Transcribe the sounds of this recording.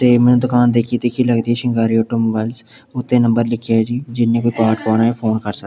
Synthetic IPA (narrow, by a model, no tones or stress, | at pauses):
t̪eːmɛnːd̪ʊkaːnd̪eːkʰit̪ikʰiləɡd̪ɛːʃɪ̃ŋɡaːɾiːɔːʈoːmoːbɛlz | ʊt̪ʰːẽːnə̃mbəɾlɪkʰːjad͡ʒiːd͡ʒɪnːẽːkoːiːpaːʈpɔːɽaːepʰoːnkəɾsə